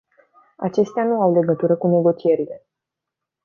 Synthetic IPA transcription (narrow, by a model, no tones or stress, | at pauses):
at͡ʃe̞st̪eanuawle̞ɡət̪uɾəkune̞ɡo̞t͡ʃie̞ɾile̞